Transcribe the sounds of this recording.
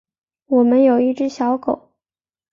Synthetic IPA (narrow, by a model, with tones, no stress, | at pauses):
wɔ˨˩mə˦njo˨˩ʊi˥˩ʈ͡ʂɻ̩˥ɕjɑ˧˥ʊko˨˩˦ʊ